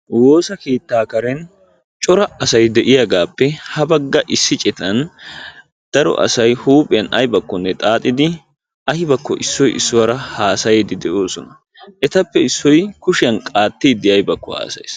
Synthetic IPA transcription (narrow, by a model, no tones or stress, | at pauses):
wo̞ːsɐkeːt̪ːaːkɐɾɛn | t͡ʃʼɔɾɐɐsɐjd̪ɛʔɪjaːɡaːpːɛhɐbɐɡːɐʔɪsːɪt͡ʃʼɛt̪ɐn | d̪̥ɐɾɔ̰ʔɐ̰sɐjhuːpʼɪjɐnɐjbɐkːɔnːɛt̪ʼaːt̪ʼːɪd̪ɪ | ɐhɪbɐkːɔʔɪsːɔjɪsːʊwɐɾɐhaːsɐjeːd̪ɪd̪ɛʔoːsɔnɐ | ʔɛt̪ɐpːɛɪsːɔjkʊʃɪjɐnkʼaːt̪ːiːd̪ːɪɐjbɐkːɔha̰ːsɐ̰js